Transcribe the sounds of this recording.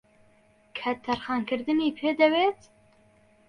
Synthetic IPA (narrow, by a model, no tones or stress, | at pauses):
kʰɛt̪ʰːɛɾxɑːnkɨɾd̪ɨniːpʰeːd̪ɛweːt̪